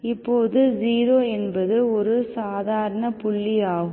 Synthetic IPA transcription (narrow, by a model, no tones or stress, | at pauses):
ɪpːoːðɯd͡ʒiːɾoːɛnbɐðɯɔɾɯsaːðaːɾɐɳɐpʊɭːɪaːɣɯm